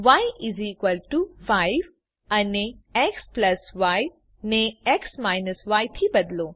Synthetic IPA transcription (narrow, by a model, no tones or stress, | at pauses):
ʋajiziːkʋəlʈufaɪʋ | ɐneeksplɐsʋaj | neeksmaːjnəsʋaːjt̪ʰibɐd̪lo